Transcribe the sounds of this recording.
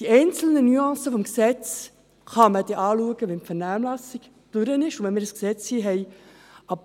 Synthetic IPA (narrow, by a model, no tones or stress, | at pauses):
d̥iɛɪnt͡sl̩nənyɑ̃ːsəfɔmksɛt͡s | χɑməd̥eʔɑːluəɡəʋɛnfɛɾnæːmlɑsɪɡ̥ | d̥ʉɾənɪʃʊʋɛnmɪːɾəsksɛt͡shiːɦɛjɑp